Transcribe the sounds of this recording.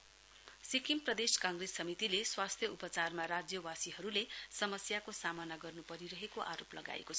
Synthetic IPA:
sikimprʌd̪eskãŋɡresːʌmit̪ileswast̪ʰjʌupʌt͡sarmaɾad͡zjʌwasiɦʌɾulesʌmʌsjakosamʌnaɡʌrnupʌɾiɾʌɦekoʔaɾoplʌɡa̰ḛkot͡sʰʌ

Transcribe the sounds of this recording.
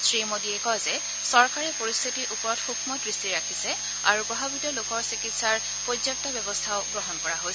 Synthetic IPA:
sɹimodiɛkɔzɛ | sɔɹkaɹɛpoɹist̪ʰitiʔupɔɹɔtxukʰmɔdɹistiɹakʰisɛ | a̰ɹupɹɔbabitɔlokɔɹsikitsaɹ | pojzak̚tɔbjɔbɔstʰaʊɡɹɔɦɔnkɔɹaɦoj

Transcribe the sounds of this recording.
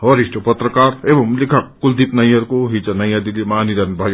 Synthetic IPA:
ʌɾisʈopʌt̪ɾəkaɾebʌmlikʰak̚kuld̪ipnʌjʌɾkoɦit͡sʌnʌjad̪ilimaniɾanbʱaj

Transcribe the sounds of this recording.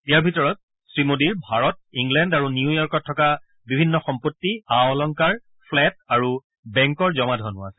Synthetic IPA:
ijaɹbʱitɔɹɔt̚ | sɹimodiɹbʱaɹɔt̚iŋɡlɛndaɹuniujɔɹkɔtʰːɔka | bibʱinːɔxɔmpotːiaɔlɔŋkaɹ | pʰlɛt̚aɹu | bɛŋkɔɹzɔmadʱɔnʊasɛ

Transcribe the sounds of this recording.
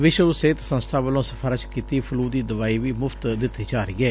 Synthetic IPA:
ʋɪʃəʋseːt̪sə̃nst̪ʰaːʋəlõːsəpʰaːɾət͡ʃkiːt̪iːpʰʊluːd̪iːd̪əʋaːiːʋiːmʊft̪d̪ɪt̪ːiːd͡ʒaːɾiːɛː

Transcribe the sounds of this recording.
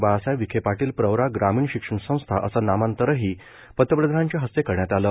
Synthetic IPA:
basajʋikʰepaʈiːlpɾəʋɾaɡɾamiːɳɕikʂəɳsə̃w̃st̪ʰaʔəsanamant̪əɾəɦiː | pət̪ːəpɾəd̪ʱɾaɲt͡ɕjaɦəst̪ekəɾɳjat̪aləː

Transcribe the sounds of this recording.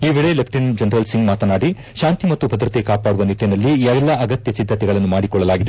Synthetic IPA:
iːʋeɭelɐpʰʈind͡ʒɐnɾɐlsiŋɡmaːt̪ɐnaːɽi | ʃaːnt̪imɐt̪ːubʱɐd̪ɾɐt̪e̞kaːpaːɽuʋɐnit̪ːjɐnɐlːiɛɛlːɐʔɐɡɐt̪jɐsid̪ʱːɐt̪ɛɡɐɭɐnːumaːɽikɔɭːɐlaːɡid̪e

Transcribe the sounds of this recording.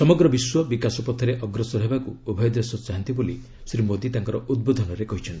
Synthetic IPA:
sɔmɔɡɾɔbiswɔbikasɔpɔt̪ʰːɔɾeʔɔɡɾɔsɔɾɔɦebakuubʱɔjɔd̪esɔt͡ʃaɦɔnt̪iboli | sɾimod̪it̪aŋkɔɾɔʔud̪̚bod̪ʱɔnɔɾekɔɦit͡ʃʰɔnt̪i

